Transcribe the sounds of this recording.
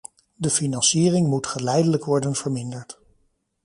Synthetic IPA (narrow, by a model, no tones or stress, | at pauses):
dəfinɑnsiːrɪŋmutχəlɛjdələkʋɔɹdənv̥əɹmɪndəɹt